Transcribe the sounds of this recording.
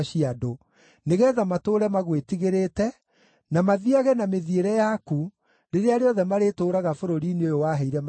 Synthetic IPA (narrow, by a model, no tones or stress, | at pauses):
ʃiado | neɣɛðamatoːɾɛmaɣwetiɣeɾetɛ | namaðiaɣɛnameðieɾɛjaku | ɾeɾeaɾeɔðɛmaɾetoːɾaɣafoɾoɾineojowaɦɛiɾɛm